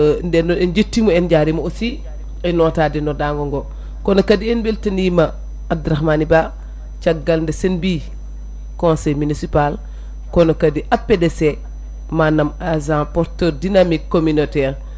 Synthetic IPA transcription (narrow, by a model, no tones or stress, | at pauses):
ndɛnɔɛnd͡ʒətːimoɛnɟaːɾimoosi | ɛnɔːtaːdinɔdaŋɡɔŋɡo | kɔnokadiɛnbeltɐnima | adɾaxmaniba | t͡ʃaɡːalndesenbi | kɔ̃nsɛjminisipal | konokadiʔapːedese | manːamazãpɔɾtəɾdinamikːominotɛːɾ